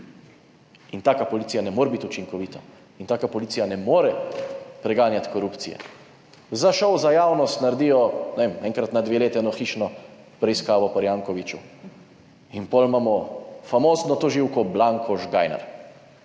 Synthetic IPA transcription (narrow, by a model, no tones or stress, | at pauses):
int̪aːkapɔliːsijanɛmoːɾɛbit̪ut͡ʃiŋkɔʋiːt̪ʰa | int̪aːkapɔliːsijanɛmoːɾɛpɾɛɡaːnjat̪kɔɾuːpt̪sḭjɛ̰ | zaʃɔwzajaːwnɔst̪naɾd̪iːjɔnɛʋeːmɛːŋkɾat̪nad̪ʋeːleːt̪ɛɛnɔxiʃnɔ | pɾɛiskaːʋɔpaɾjaːŋkɔʋit͡ʃu | inpɔlmaːmɔfamoːznɔt̪ɔʒiwkɔblaŋkʰɔʒɡajna̰ɾ